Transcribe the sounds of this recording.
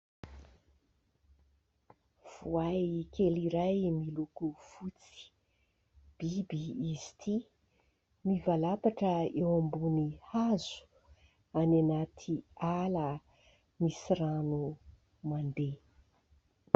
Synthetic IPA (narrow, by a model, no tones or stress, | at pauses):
v̥uajkeliɾajmilukuv̥ut͡si̥ | b̥ibiːzi̥t̪ʰi | mivalapaʈ͡ʂəewambunihazu̥ | ananat̪ʰialə | misiɾanu | mand̪e